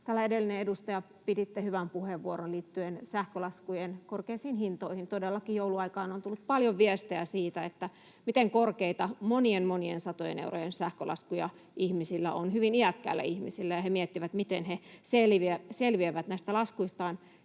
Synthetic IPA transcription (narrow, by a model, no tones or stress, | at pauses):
t̪æːlːæedelːineedust̪ɑjɑ | pidit̪ːehyʋæmpuheʋːuoɾonliːt̪ːyensæhkølɑskujenkorkeisiːnhint̪oihint̪odelːɑkijouluɑikɑːnont̪ulːut̪̚pɑljoʋʋiɛst̪eæsiːt̪æet̪ːæ | mit̪eŋkorkeit̪ɑmonienmoniensɑt̪ojḛnḛuro̰jensæhkølɑ̰skujɑ | ʔihmisilːæ̰onhyʋiniækːæ̰ːlːæ̰ihmisilːæjɑhemiet̪ːiʋæt̪mit̪enheselʋieselʋieʋæt̪næist̪ælɑskuist̪ɑːn